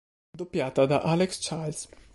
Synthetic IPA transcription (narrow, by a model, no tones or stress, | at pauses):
d̪opːjaːt̪ad̪aʔalekst͡ʃals